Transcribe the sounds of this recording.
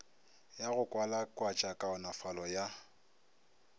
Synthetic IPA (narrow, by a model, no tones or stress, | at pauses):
jaɣʊkʼwalakʼwat͡ʃʼakʼaʊnafalɔja